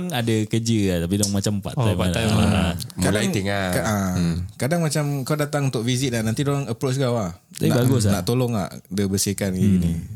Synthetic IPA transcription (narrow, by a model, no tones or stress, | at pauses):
nadakəd͡ʒəat̪ap̬idɔŋmat͡ʃampa̰ʔaaaaamkalajŋt̪iŋakaakadaŋmat͡ʃamkawdat̪aŋunt̪ʊʔvizit̪̚anant̪idoɾaŋəpɾot͡ʃɡawa | aibaɡʊs̬naʔt̪olɔŋa̰ʔdəbəsikanɡiɡini